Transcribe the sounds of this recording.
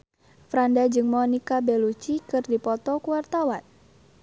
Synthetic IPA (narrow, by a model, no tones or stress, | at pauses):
fɾandad͡ʒɨŋmɔnikabɛlut͡ʃikɨrdipɔt̪ɔkuwart̪awan